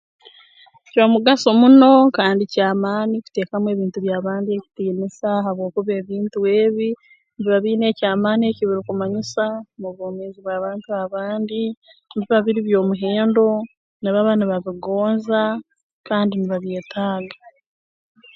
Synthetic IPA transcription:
comuɡaso̞muno̞kaːndicaːmaːniku̥te̞ːkamwe̞ːβiːntuβjaːβaːndieci̥tiːnisahaβwo̞ːkuβeːβiːntuwe̞ːβi | niβiβaβiːne̞ːcaːmaːnie̞ːciβiɾikumaɲisamuβoːmeːziβwaːβaːntuaβaːndi | niβiβaβiɾiβjo̞ːmuɦeːndo̞ | niβaβaniβaβiɡo̞ːnza | kaːndiniβaβje̞ːtʰaːɡḁ

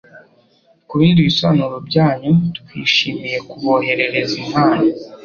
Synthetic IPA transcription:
kuβiːndiβisoβanuɾobɟaːɲutkwḭːʃiːmije̞kuβo̞ːɦe̞ɾe̞ɾe̞zinhaːno

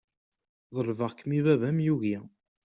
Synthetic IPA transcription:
ðˤəlvəʁkːmivævæmjuɣi

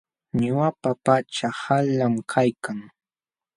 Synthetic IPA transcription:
ɲʊwapapat͡ʃahalamkʰajkʰaŋ

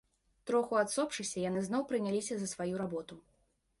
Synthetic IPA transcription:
t̪ɾɔxuat̪sɔpʂɨsʲɐjanɨznɔwpɾɨnʲalʲisʲɐzɐsvajuɾabɔt̪u

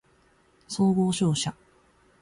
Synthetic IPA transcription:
soːɡo̞ːɕo̞ːɕa

